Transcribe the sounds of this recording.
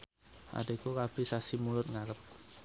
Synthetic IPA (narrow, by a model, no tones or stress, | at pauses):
ʔa̰ɖaikukab̥e̤sasimulʊt̪̚ŋaɾəp̚